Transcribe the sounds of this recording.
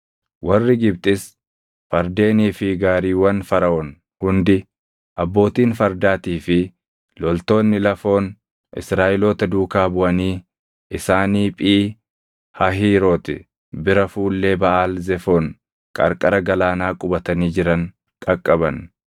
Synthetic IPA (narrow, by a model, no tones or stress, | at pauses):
wʔɐrːɪɡɪbt̪ʼɪs | fɐɾd̪e̞ːniːfɪɡaːɾiːwɐnfɐɾɐʔɔn | hʊnd̪ɪ | ʔɐbːo̞ːt̪iːnfɐɾd̪aːt̪iːfɪ | lɔlt̪o̞ːnːɪlɐfo̞ːn | ʔɪ̰sɾaːʔɪloːt̪ɐd̪uːkaːbʊʔɐniː | ɪsaːniːpʼiː | hɐɦiːɾoːt̪ɪ̰ | bɪɾɐfuːlːe̞ːbɐʔaːlzɛfo̞ːn | kʼɐ̰ɾkʼɐɾɐɡɐlaːnaːkʼʊbɐt̪ɐniːd͡ʒɪɾɐŋ | kʼɐkʼːɐβɐn